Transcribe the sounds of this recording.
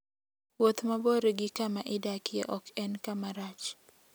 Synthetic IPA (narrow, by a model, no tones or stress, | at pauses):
wot̪maboɾeɡɪkamaʔɪdakɪjɛ̰ʔɔkɛnkamaɾat͡ʃ